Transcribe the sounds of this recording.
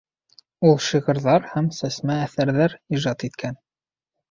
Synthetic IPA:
ulˠʃiʁɤ̆ɾðɑɾhæmsæsmæːθæɾðæɾiʒɑt̪it̪kʰæn

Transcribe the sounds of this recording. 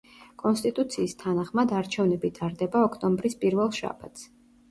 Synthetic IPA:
kʼɔnst̪ʼit̪ʼut̪sʰiːst̪ʰanaχmad̪aɾt͡ʃʰɛvnɛbit̪ʼaɾd̪ɛbaɔkʰt̪ʼɔmbɾispʼiɾvɛlˠʃa̰ba̰t̪ʰs

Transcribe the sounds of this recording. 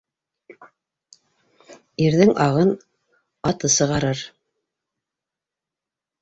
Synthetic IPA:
iɾðɘŋʔɑʁɤn | ɑt̪ɤsɤ̆ʁɑɾɤɾ

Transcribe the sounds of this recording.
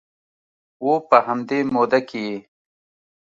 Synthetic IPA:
wopɐɦɐmd̪emoːd̪ɐkie

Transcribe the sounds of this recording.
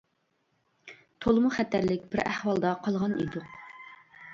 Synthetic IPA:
t̪ʰolˠmuχɛt̪ʰːæɾlɪk̚ʲbɪɾæhwɑlˠd̪ɑqʰɑlˠʁɑnḭd̪u

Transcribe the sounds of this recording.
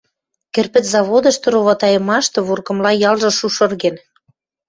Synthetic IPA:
kĕrpɘ̆t̪zɑβod̪ə̆ʃt̪ɤ̆ɾoβɑt̪ɑjə̆mɑʃt̪ɤ̆βurkɤ̆mlɑjɑlʒɤ̆ʃuʃɤ̆rɣen

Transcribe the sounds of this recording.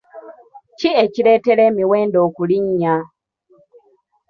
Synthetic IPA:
cieciɾeteɾemiweːndokuliɲɲa

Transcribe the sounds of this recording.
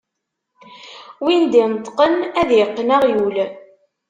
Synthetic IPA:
wind̪int̪ˤːqənæðjəqːnaʁjul

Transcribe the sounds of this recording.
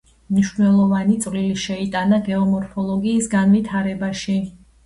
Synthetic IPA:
mniʃnɛlˠɔvanit̪sʼvliliʃɛit̪ʼanaɡɛɔmɔɾpʰɔlˠɔɡiːsɡanvit̪ʰaɾɛbaʃi

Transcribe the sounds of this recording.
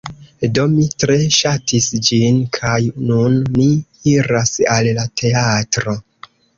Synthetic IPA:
do̞mitɾe̞ʃatisd͡ʒinkʰajnunmiiɾasallatʰe̞atɾo̞

